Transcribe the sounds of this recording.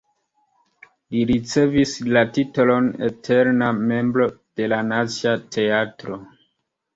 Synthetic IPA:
liɾit͡se̞vislatitolo̞nḛtʰe̞ɾname̞mbɾo̞d̥e̞lanat͡siatʰe̞atɾo̞

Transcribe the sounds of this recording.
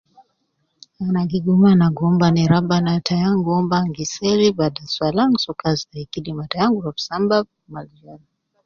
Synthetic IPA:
anaɡiɡumanaɡɔmbaniɾabanatajaŋɡuɔmbaŋɡisɛɾibadaswalaŋsɔkazaikidimatajaŋɡuɾafsamba | mald͡ʒala

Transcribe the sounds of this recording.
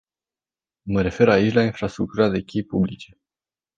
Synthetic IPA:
məɾe̞fe̞ɾait͡ʃʲlainfɾast̪ɾuk̚t̪uɾad̪e̞kʲejpublit͡ʃe̞

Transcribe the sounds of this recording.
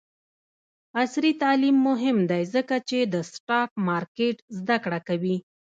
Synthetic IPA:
asɾit̪ɑlimːʊɦɪmd̪ajzəkat͡ʃed̪əsʈɑk̚mɑɾkeʈzd̪akɽakawi

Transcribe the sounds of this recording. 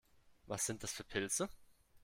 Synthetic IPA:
vasz̥ɪnt̚d̥asfyːɐpʰɪlt͡sə

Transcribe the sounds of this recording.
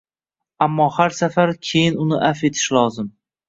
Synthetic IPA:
amːɒhaɾsafaɾkʲʰe̞jɪnʊnɪʔafe̞t̪ʰɪ̥ʃlˠɒzɪm

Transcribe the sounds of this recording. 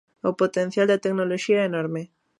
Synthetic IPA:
opot̪ẽn̟θjald̪ɐt̪eknoloʃiɐɛenɔɾme

